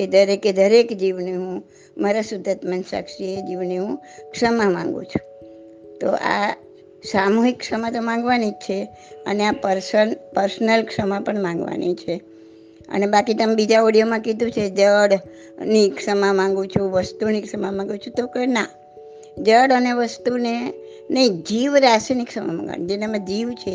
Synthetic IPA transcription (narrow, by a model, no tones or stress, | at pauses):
ed̪ʱəɾeked̪ʱəɾekd͡ʒiʋniɦũ | maɾasʊd̪ʱət̪mənsa̰kʃied͡ʒiʋniɦũkʂəmãmã̰ŋɡṵ̃t͡ʃʰũ̥ | t̪o̰ʔa̰ | samuɦikːsəmãt̪omãŋɡʋanit͡ʃʰe | ə̰neapəɾsənpəɾsnəlkʂəmãpəɳmãŋɡʋa̰nḭt͡ʃʰe | ə̰nebakit̪əmebid͡ʒaoɽijomãkid̪ʱũt͡ʃʰed͡ʒəɽ | niksəmãmãŋɡũt͡ʃʰũʋəst̪unikʂəmamãŋɡũt͡ʃʰũt̪okəna | d͡ʒəɽəneʋəst̪une | nə̃ĩd͡ʒiʋɾasinikʂəma̰mã̰ŋɡʋa̰nid͡ʒenemãd͡ʒiʋt͡ʃʰe